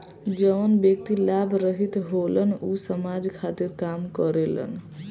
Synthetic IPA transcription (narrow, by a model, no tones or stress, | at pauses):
d͡ʒəʋənbjək̚t̪ilabʱɾəɦit̪ɦolənusəmad͡ʒkʰat̪iɾkamkəɾelə̰n